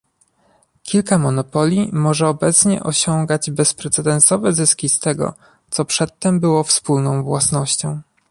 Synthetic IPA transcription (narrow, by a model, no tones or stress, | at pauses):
kʲilkamɔnɔpɔlʲimɔʐɛɔbɛt̪sɲɛ̰ʔɔɕɔŋɡad͡ʑbɛspɾɛt̪sɛd̪ɛnsɔvɛzɘskʲist̪ɛɡɔ̰ | t̪sɔpʂɛt̪ːɛmbɘwɔfspulnɔ̃w̃vwasnɔɕt͡ɕɔ̃w̃